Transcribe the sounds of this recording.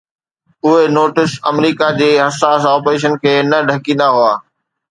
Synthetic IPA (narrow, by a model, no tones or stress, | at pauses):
ʊɦenoːʈɪsɐ̰mɾiːkad͡ʑeːɦɐsaːsɔːpɾeːʃ̬ənkʰeːnɐɖʱɐkĩːnd̪aɦuaː